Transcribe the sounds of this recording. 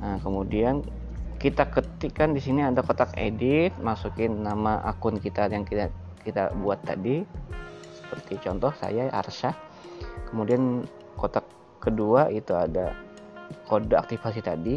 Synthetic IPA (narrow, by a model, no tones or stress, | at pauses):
əkəmudian | kit̪akət̪ɪkːandisiniadakot̪akḛdɪt̪̚masukɪnːamaʔa̰kʊnkit̪ajaŋkiakit̪abuat̪ːa̰di | sə̥pərt̪it͡ʃɔnt̪ɔhsa̰jaa̰rsa | kəmudian | kot̪akː | əduaʔit̪uada | kodaa̰k̚t̪ifasit̪adi